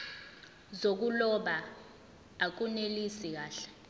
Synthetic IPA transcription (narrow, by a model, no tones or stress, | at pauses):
zok̬ulɔɓaː | k̬unelisik̬aːɬɛ̥